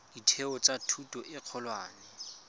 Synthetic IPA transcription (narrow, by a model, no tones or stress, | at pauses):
d̥itʰeɔt͡sʼatʰutʼɔʔɪq͡χʰɔlwaːnɛ